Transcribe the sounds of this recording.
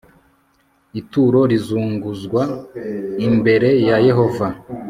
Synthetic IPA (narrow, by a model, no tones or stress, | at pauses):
ituːɾo̞ɾizuːŋɡuzɡwa | imbe̞ɾe̞jaje̞ɦo̞va